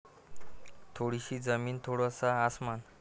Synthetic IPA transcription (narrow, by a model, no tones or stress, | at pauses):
t̪ʰoɽiɕiːd͡zəmiːnt̪ʰoɽosaːsman